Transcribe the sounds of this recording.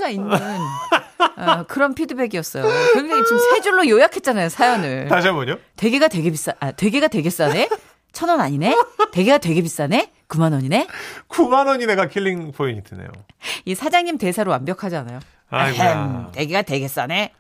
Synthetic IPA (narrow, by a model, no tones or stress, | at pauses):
ɡainːɯn | kɯɾʌmpʰidɯbe̞ɡiʌs͈ʌjokkʌd͡ʑʌŋit͡ɕomsʰad͡ʑuɭːojojakʰe̞t̚t͡ɕ͈anajosʰajʌnɯɭtad͡ʑambʌɲote̞ɡeɡatwe̞ɡebis͈aʔatwe̞ɡeɡatwe̞ɡe̞s͈ane̞ | t͡ɕʰʌnʌnaɲine̞te̞ɡeɡatwe̞ɡebis͈ane̞ | kumanʌɲine̞kumanʌɲine̞ɡakʰilːiŋpʰoiɲitenḛjo̰isʰad͡ʑaŋɲimte̞sʰaɾowambjʌkʰad͡ʑiana̰jo | aaknte̞ɡeɡatwe̞ɡe̞s͈ane̞